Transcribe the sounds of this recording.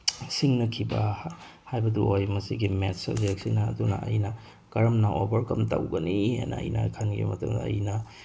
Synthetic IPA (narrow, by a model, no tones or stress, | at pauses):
siŋnɐkʰibɐhajbɐduʔojmɐsiɡimetsɐ̰bzek̚sinɐːdunɐ̰ʔɐ̰jnɐ | kɐɾɐmnɐʔobɐɾkɐmtɐ̰wɡɐnihḛnɐɐ̰jnɐ̰kʰɐnɡḭmɐtɐŋdɐ̰ːjnɐ